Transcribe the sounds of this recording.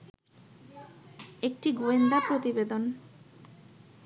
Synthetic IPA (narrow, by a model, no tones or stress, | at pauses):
ek̚ʈiɡoend̪apɾot̪ibed̪on